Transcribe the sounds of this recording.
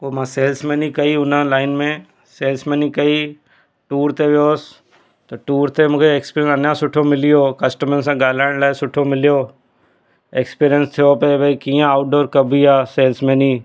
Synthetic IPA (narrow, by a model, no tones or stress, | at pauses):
komãseːlsmẽnikɐiʊnãlaːɪnmẽ | seːlsmẽːnĩkɐi | ʈuːɾt̪eʋjoːs | t̪oʈuːɾt̪emʊkʰeekspiɾə̃nsɐnjasʊʈʰomɪlijoːkɐsʈəmənsãɡaːlaːɳlaːsʊʈʰomɪljoː | ekspiːɾijənst̪ʰejopebʱɐikĩːjãaːʊʈ̚ɖoːɾkɐbʱiaːseːlsmẽnĩː